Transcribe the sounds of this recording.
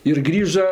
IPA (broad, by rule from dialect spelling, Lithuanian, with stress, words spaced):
ɪr ˈɡrʲiːʒɐ